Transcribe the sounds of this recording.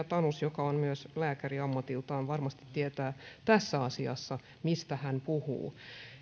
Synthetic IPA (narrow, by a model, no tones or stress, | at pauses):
t̪ɑnusjokɑonmyøslæːkæriɑmːɑt̪ilt̪ɑːnʋɑrmɑst̪i̥t̪ːiet̪æːt̪æsːæɑsiɑ̰sːɑ | mist̪æhæmpuhṵː